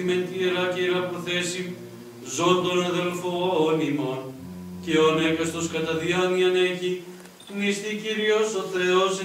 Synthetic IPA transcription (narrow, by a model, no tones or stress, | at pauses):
imet̪iɾɐceɾɐpɾoθesi | zond̪onɐðelfoonimon | ceonekɐst̪oskɐt̪ɐðiɐniɐneçi | unist̪iciɾiosoθɾeos